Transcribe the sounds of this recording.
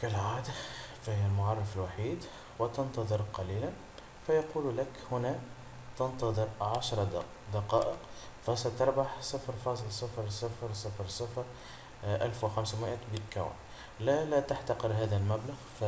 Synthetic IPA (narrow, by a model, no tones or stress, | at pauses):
kɪlʕaːd̪afahjælmʊʕɑrˤːɑfɪlwaħiːd̪ | wɪt̪ɑnt̪ɑðˤɨɾˤqɑliːlan | fæjɑquːllakhʊnæ | t̪ɑnt̪ɑðˤɨɾʕaʃɾˤɑ | d̪ɑqɑːʔəqfæsat̪ɑɾˤbaħsəfɾfɑːsˤəlsˤɑfɾˤsˤɑfɾsˤɑfɾsˤɑfɾ | ʔælfwɪxamsmɪʔæt̪bit̪ka̰wa̰n | lælæt̪aħt̪ɑqəɾɦæːðælmæblaɣf